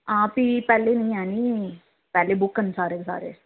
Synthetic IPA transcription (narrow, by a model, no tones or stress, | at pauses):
ãːpiːpɛːleːnəĩːɛːniː | pɛːleːbʊkːənsaːɾeːsa̰ːɾḛː